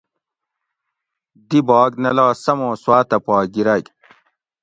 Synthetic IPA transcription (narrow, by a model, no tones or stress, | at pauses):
d̪ibɑːɡnɐlɑːsɐmõːswaːt̪ɐpɑːɡiɾaɡ